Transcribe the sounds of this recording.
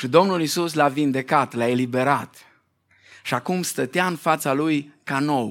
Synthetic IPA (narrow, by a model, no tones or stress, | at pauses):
ʃid̪o̞mnulisuslavind̪e̞kat̪lae̞libe̞ɾat̪ | ʃiakumst̪ət̪eaɨnfat̪salujkano̞w